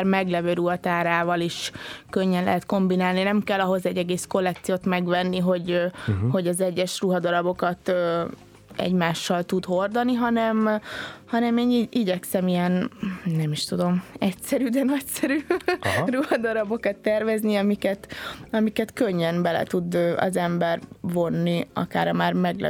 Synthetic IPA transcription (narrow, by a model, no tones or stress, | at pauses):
rmɛɡlɛvøːɾuɦɒt̪aːɾaːvɒliʃkøɲːɛnlɛ̰ɦɛt̪ko̞mbinaːlninɛmkɛlːɒɦo̞zɛɟːɛɡeːsko̞lːɛk̚t̪sijoːt̪mɛɡvɛnːiɦo̞ɟho̞ɟɒzɛɟːɛʃruɦɒd̪ɒɾɒbo̞kɒt̪ː | ɛ̰ɟmaːʃːɒlt̪ud̪ho̞rd̪ɒniɦɒnɛmhɒnɛmeːniiɟɛksɛmijɛnnɛmiʃt̪ud̪o̞mɛcsɛɾyd̪ɛnɒcsɛɾyːruɦɒd̪ɒɾɒbo̞kɒt̪ːɛrvɛzniɒmikɛt̪ɒmikɛt̪køɲːɛnbɛlɛ̰t̪ud̪ɒ̰zɛmbɛrvo̞nːiɒ̰ka̰ːɾɒmaːrmɛɡlɛ̰